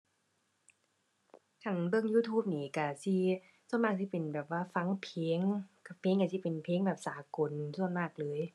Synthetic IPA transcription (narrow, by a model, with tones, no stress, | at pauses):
kʰa˧˩nbɯ˧˩əŋjuː˧˩t̪ʰuː˧˥˩p̚niː˧˩ka˧˩si˧˩ | su˧˥˩nmaː˧˥˩k̚sʰi˧˩pe˨˩nbɛː˨˩p̚waː˧˥˩fa˧˥ŋpʰeː˧˦ŋka˧˩pʰeː˨˦ŋka˧˩i˧˩pe˨npʰeː˧˦ŋbɛː˨˩p̚saː˨˦ko˨nsu˧˥˩ənmaː˧˩k̚lɤː˨˦j